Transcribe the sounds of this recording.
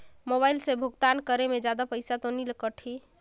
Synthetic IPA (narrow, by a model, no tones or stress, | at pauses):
moβajlsẽbʱuɡt̪ankəɾemed͡ʒad̪apəjsat̪onilkəʈʰi